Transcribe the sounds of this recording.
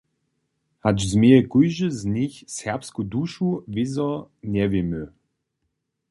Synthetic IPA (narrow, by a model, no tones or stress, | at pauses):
had͡ʒzmeɛkujʒəznʲiçsɛpskud̪uʃuvizɔnʲɛvimø